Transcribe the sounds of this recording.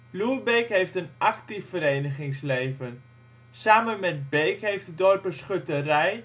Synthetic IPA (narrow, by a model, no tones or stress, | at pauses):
luəbejkɦejftənʔɑktiffəɾejnəχɪŋslejvən | saːmənmɛt̚bejkɦejftədɔrpəsχøtərɛj